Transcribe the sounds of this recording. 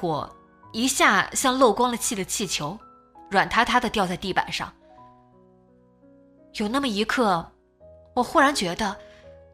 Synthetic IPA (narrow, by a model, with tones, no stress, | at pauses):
wɔ̰˨˩ | i˧˥ɕja˥˧ɕjɑ˥˧ŋlo˥˩ʊkwɑ˥ŋd̪ə˨t͡ɕʰi˥˩d̪ə˩t͡ɕʰi˥˩t͡ɕʰjo˧˥ʊ | ɻwa˨˩nt̪ʰa˥t̪ʰa˥d̪ə˨t̪jʊt͡sa˥˧ɪt̪i˥˩pa̰˨˩nʂɑ̰˥˩ŋ | jo˨˩ʊna˥˩mə˩i˧˥kʰɤ˥˩ | wɔ˨˩xu˥ɻa˧˥nt͡ɕɥɛ˧˥d̪ə˧